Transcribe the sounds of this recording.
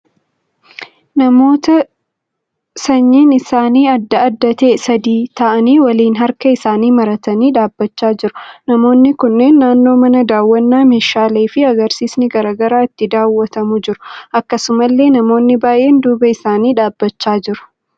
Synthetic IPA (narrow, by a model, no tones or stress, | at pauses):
nɐmo̞ːt̪ɐ | sɐɲːiːnɪsaːniːɐd̪ːɐːd̪ːɐt̪eːsɐd̪iːt̪ɐʔɐniːwɐliːnɦɐɾkɐɪsaːniːmɐɾɐt̪ɐniːᶑaːbːɐt͡ʃːaːd͡ʒɪɾʊnɐmo̞ːnːɪkʊnːeːnːaːnːo̞ːmɐnɐd̪aːwːɐnːaːmeːʃaːleːfɪɐɡɐɾsiːsnɪɡɐɾaːɡɐɾaːɪt̪ːɪd̪aːwːɐt̪ɐmʊd͡ʒɪɾʊ̥ʔɐkːɐsʊmɐlːe̞ːnɐmo̞ːnːɪbaːʔe̞ːnd̪uːbɐɪsaːniːᶑaːbːɐt͡ʃːaːd͡ʒɪɾʊ̥